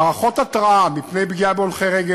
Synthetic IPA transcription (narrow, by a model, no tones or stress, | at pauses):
ʁaχo̞t̪at̪ʁaʔamipnejbɡiabeolχeʁeɡe